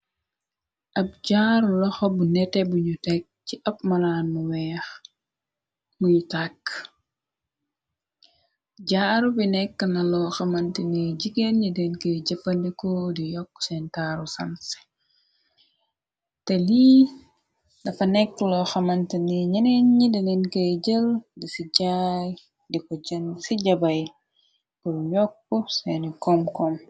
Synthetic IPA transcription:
ʔɐp̚ɟaːɾulɔxɔbunɛtːebuɲutɛk̚ciʔɐpmɐlaːnmuwɛːx | muɲutak | ɟaːɾubinɛkːnɐlɔxɐmɐntineɟikːenɲidɛnkeɟɐpːɐndikodijɔkːsɛntaɾusɐns | teli | dɐfɐnɛkːlɔxɐmɐntiniɲɐnenɲidinenkəɟəldisiɟaj | dikɔɟnsiɟɐbɐj | kɔjɔkːɔsɛnikɔmkɔm

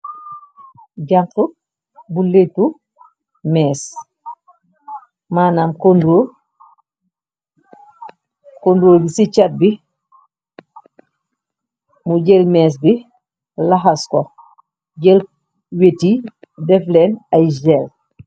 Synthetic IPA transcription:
ɟaŋku | buletu | mɛːs | maːnamkondoː | kondɾoːdisit͡ʃat̚bi | muɟɛlmɛːs̬bi | laxaskɔ | ɟɛl | wetidɛflɛːnajd͡ʒɛl

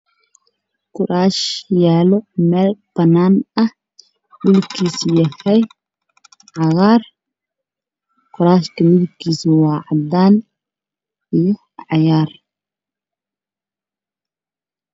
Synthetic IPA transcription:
kʰʊɾaːʃjaːlɔmɛːlb̥ɐnːaːnɐh | ɖʊlkʰiːsjɐhɛj | ʕɑɣaːr | qʊɾaːʃkʰɐmɪðʊb̚kʰiːsɪwɑːʕɑd̪aːn | ijɔ | ʕɑjaːr

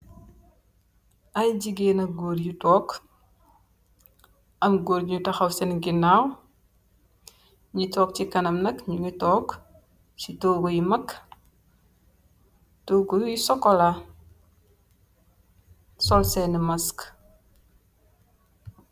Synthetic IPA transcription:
ʔɐjɟiɡeːnɐɡoːrjutɔːk | ʔɐmɡoːɾɲutɐxɐwsɛnɡinaːw | ɲitɔːk̚cikɐnɐmnɐkɲuŋitɔːk | sitoːɡojimɐk | toɡojisɔkːɔla | sɔlsɛnmɐsk

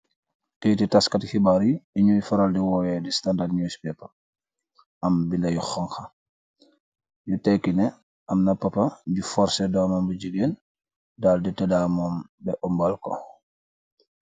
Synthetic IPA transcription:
kejtitaskatxibaɾiiɲujifɔɾaldiwɔːwɛdistandadɲuspɛpa | ambindɐjuxɔŋxa | jutɛjkinɛ | ʔamnapapaɟufɔɾsɛdɔːmambud͡ʒiɡeːn | dalditɛdamɔmbɛʔɔmbalkɔ̰

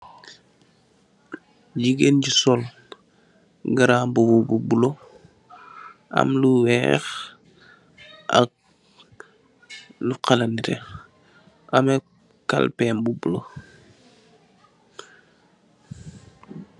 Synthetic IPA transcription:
ɟiɡenɟisɔl | ɡaɾaːmbubububulo | ʔɐ̰mluwɛ̰x | ʔɐ̰k̚ | luqalanitɛ̰ | ʔamɛ | ka̰lpɛmbubulo

